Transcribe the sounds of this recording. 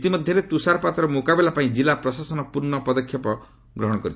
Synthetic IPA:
t̪imɔd̪ʱjɔɾet̪usaɾpat̪ɔɾɔmukabelapaĩd͡ʒilapɾɔsasɔnɔpuɾnɔpɔd̪ɔkʰjɔpɔ | ɡɾɔɦɔɽ̃ɔkɔɾit̪ʰ

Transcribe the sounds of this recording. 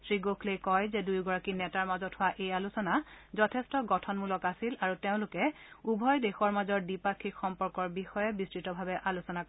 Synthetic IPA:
sɹiɡokʰlejkɔjzɛdujɡɔɹakinɛtaɹmazɔthʊwaʔejalusɔnazɔtʰɛstɔɡɔtʰɔnmulɔkasilaɹuteʊ̃lʊkɛ | ubʱɔjdexɔɹmazɔɹdipakʰːikxɔmpɔɹkɔɹbixɔjɛbistɹitɔbʱabɛʔalusɔnak

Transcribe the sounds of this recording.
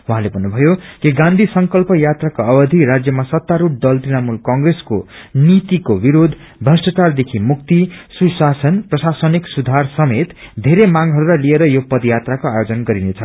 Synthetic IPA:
wuɦãlebʱʌnːubʱʌjokiɡãnd̪ʱisʌŋkʌlpʌjat̪rakoʌbʌd̪ʱiɾad͡zjʌmasʌt̪ːaɾuʈ̚d̪ʌlt̪inamulkʌŋɡreskonit̪ikobiɾod̪ʱ | bʱʌsʈʌt͡sard̪ekʰimuk̚t̪isusasʌnprʌsasʌniksud̪ʱarsʌmet̪d̪ʱeɾemaɡɦʌɾuɾajlieɾʌjopʌd̪jat̪rakoajod͡zʌnɡʌɾinet͡sʰʌ

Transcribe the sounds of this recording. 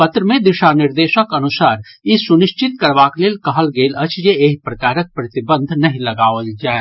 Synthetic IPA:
pət̪ɾəmẽd̪ɪʃanɪɾd̪eːʃəkɐnʊsaːɾisʊnɪʃt͡ʃɪt̪̚kɐɾʋaːkleːlkɐɦəlɡeːlət͡ʃʰjeeːɦpɾɐkaːɾək̚pɾɐt̪ɪbə̃nd̪ʱnɐɦĩlɐɡaːəld͡ʒaːe

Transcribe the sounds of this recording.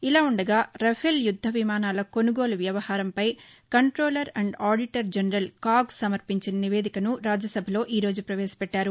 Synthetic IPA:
ilaːuɳɖɐɡaːɾɐfʰeljud̪ʱːɐʋimaːnaːlɐko̞nuɡo̞ːluʋjɐʋɐhaːɾɐmpɐj | kɐɳʈɾoːlɐɾɐɳɖaːɖiʈɐɾd͡ʒɐnɾɐlkaːɡsɐmɐɾpiɲt͡ʃinɐniʋeːd̪ikɐnuɾaːd͡ʒɐsɐbʱɐlo̞ːʔiːɾo̞ːd͡ʒupɾɐʋɛːsi̥pɛʈːaːɾu

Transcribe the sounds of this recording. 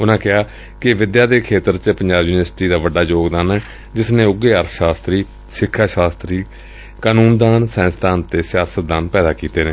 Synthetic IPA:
ʊnãːkɪaː | kɪʋɪd̪jaːd̪eːkʰeːt̪əɾt͡ʃəpəɲd͡ʒaːbjuːnɪəɾsʈiːd̪aːʋəɖːaːd͡ʒoːɡd̪aːnɛː | d͡ʒɪsnẽːʊɡeːəɾʃaːst̪ɾiː | sɪkʰːaːʃaːst̪ɾiː | kaːnũːnd̪aːnsɛ̃ːst̪aːnt̪eːsɪjaːsət̪̚d̪aːnpɛːd̪aːkiːt̪eːneː

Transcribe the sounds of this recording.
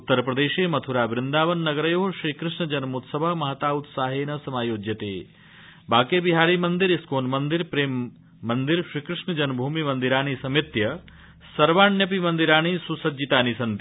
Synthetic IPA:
ut̪ːɐɾpɾɐd̪eːʃeːmɐt̪ʰuɾaːbɾɪnd̪aːʋɐnːɐɡɐɾɐjoːɦʃɾikɾɪʂɳɐd͡ʒɐnmut̪sɐbʱɐmɐɦɐt̪aːut̪saːɦeːnɐsɐmaːjoːd͡ʒjɐt̪ḛː | baːkeːbiɦaːɾimɐnd̪iɾiskoːnmɐnd̪iɾpɾeːmː | ɐnd̪iɾʃɾikɾɪʂɳɐd͡ʒɐnbʱuːmimɐnd̪iɾaːnisɐmit̪jɐ | sɐɾʋaːɳjɐp̬imɐnd̪iɾaːñisusɐd͡ʒit̪aːnisɐnt̪

